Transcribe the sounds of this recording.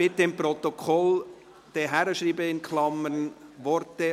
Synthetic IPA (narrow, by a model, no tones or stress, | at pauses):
bɪt̪ːəɪmpɾɔt̪okʰɔl | d̥ɛɦæɾəʃriːbəɪnkʰlɑmənʋɔɾtə